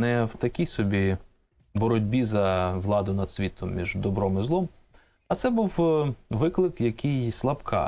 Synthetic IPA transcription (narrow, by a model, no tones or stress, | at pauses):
nɛwt̪ɐkʲijsɔbʲi | bɔɾɔdʲbʲizɐʋlˠɑd̪ʊnɐd̪sʲʋʲit̪ɔmːʲiʒd̪ɔbɾɔmɪzlˠɔm | ɐt̪sɛbuwʋɪklˠɪkjɐkɪjslˠɐpkʰɑ̰